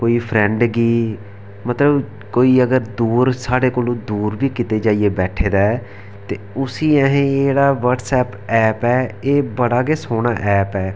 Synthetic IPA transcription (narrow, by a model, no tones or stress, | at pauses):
koːiːpʰɾɛ̃ɳɖɡiː | mət̪ləb | koːiːəɡəɾd̪uːɾsaːɽeːkoːlõːd̪uːɾʋiːkɪt̪eːd͡ʒaːieːbɛːʈʰeːd̪aːɛ | t̪eːʊsiːɛɦẽːd͡ʒeːɽaːʋəɾɖsɛːp | ɛːpɛːeːbəɽaːɡeːsoːɽ̃aːʔɛːpɛː